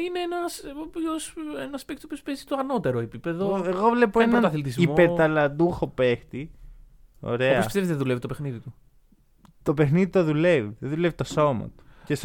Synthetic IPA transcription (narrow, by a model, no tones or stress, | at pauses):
ineenɐsoposenɐspekt̪opiospezit̪oɐno̞t̪e̞ɾoepipe̞ðoeɣo̞vle̞poenɐɐθilit̪izimopeɾt̪ɐlɐd̪uxo̞pe̞xt̪i | o̞̰ɾe̞ɐpoɐsisteizðeðulevit̪opexniðit̪u | t̪o̞pe̞xniðit̪oðule̞viðeðulevit̪o̞so̞mɐ̰t̪u̥ces